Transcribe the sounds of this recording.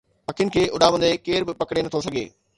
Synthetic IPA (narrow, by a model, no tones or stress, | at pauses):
ɐkʰjʊ̃nɪ̆kʰeːʔʊɗaːʋə̃nd̪ekeːɾbɪpɐkɽenɐt̪ʰosɐɡʱḛː